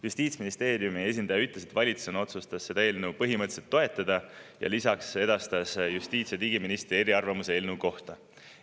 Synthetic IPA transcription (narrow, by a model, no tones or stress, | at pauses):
just̪iːt̪sminist̪e̞ːɾjumie̞s̬ʲind̪̥ɑjɑyt̪le̞s̬e̞t̪vɑlʲit̪su̥sono̞t̪sust̪ɑsːe̞d̪ɑelnupɤɦimɤt̪ːˑselt̪ːo̞e̞t̪ːˑɑd̪̥ɑjɑ̰lisɑkse̞d̪̥ɑst̪ɑsjust̪iːt̪sjɑt̪iːɡiminist̪ɾie̞ɾiɑrvɑmuseelnuko̞ht̪ɑ